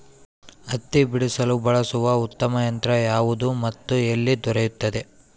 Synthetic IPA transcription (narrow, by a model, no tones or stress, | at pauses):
ɐt̪ːibiɽisɐlubɐɭɐsuʋɐut̪ːɐmɐjɐnt̪ɾɐjaːʋud̪umɐt̪ːuelːid̪ɔɾejut̪ːɐd̪e